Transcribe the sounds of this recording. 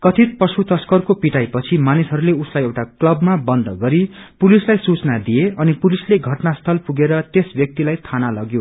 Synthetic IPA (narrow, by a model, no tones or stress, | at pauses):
kʌt̪ʰit̪̚pʌsut̪ʌskʌrkopiʈajpʌt͡sʰimanisɦʌɾuleuslajewʈaklʌbmabʌnd̪ʱʌɡʌɾipulislajsut͡snad̪ijeʌnipulisleɡʱʌʈnast̪ʰʌlpuɡeɾʌt̪esbjʌk̚t̪ilajt̪ʰanalʌɡjo